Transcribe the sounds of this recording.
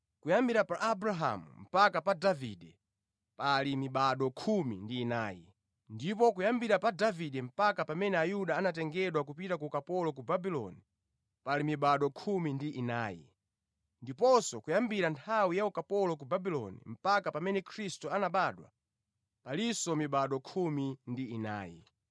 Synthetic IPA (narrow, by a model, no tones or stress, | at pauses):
kujambiɾapaʔabɾaɦa̰mṵm̩pakapadaviɗɛ | palimiɓaɗɔkʰumḭndiːna̰ːjḭ | ndip̬ɔkujambiɾapadaviɗɛm̩pakapamɛnɛajuɗaːnatɛŋɡɛɗwakupitakukapɔlɔk̬ubabilɔ̰ni | palimiɓaɗɔkʰumindiʔinaːjḭ | ndipɔsɔkujambiɾantʰawijaukapɔlɔk̬ubabilɔ̰nḭm̩pakapamɛnɛkʰɾistuanaɓaɗwa̰ | palisɔmiɓaɗɔkʰumindiːna̰ːjḭ